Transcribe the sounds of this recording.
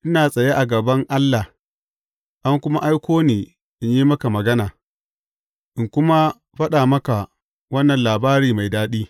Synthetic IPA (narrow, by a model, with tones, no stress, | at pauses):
ʔɪ˦naː˨sʼɐ˨je˦ʔa˨ɡɐ˨bɐ˦ŋʔa˦lːa˨h | ʔa˦ŋkʷʊ˦ma˦ʔa˦jkʷoː˦niː˨ | ʔɪ˦ɲji˦mɐ˦ka˨mɐ˨ɡɐ˦naː˨ | ʔɪ˨ŋkʷʊ˦ma˦ | ɸɐ˦ɗaː˨mɐ˦ka˨ | wɐ˦nːɐ˨nlaː˨baː˦ɾiː˨ma˨jdaː˦ɗiː˦